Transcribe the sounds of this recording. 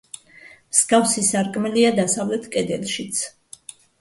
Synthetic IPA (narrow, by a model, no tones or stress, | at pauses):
msɡavsisaɾkʼmɛliad̪asavlɛt̪ʰkʼɛd̪ɛlˠʃit̪sʰ